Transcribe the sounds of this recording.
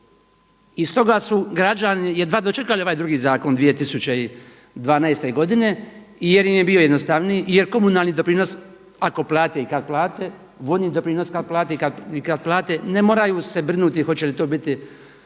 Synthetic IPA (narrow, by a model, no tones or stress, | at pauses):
ist̪o̞ɡasuɡɾad͡ʒanijed̪ʋaːd̪ot͡ʃe̞kalio̞ʋaːjd̪ɾuɡiːzaːko̞nd̪ʋije̞t̪isut͡ɕei | d̪ʋaːnaest̪e̞ɡo̞d̪ine̞ | ijeɾjimjebio̞jed̪nost̪aʋniːjjeɾko̞munaːlˠnid̪o̞pɾiːno̞s | ako̞plˠaːt̪eikad̪̚plˠaːt̪e | ʋo̞d̪niːd̪o̞pɾiːno̞skad̪̚plˠaːt̪ekad̪ikad̪̚plˠaːt̪enemo̞ːɾajuːse̞brnut̪ixo̞t͡ɕe̞lit̪oːbit̪i